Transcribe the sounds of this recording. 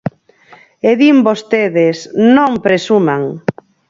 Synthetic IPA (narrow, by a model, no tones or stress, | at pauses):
eðimbost̪eðesnõŋpɾesumaŋ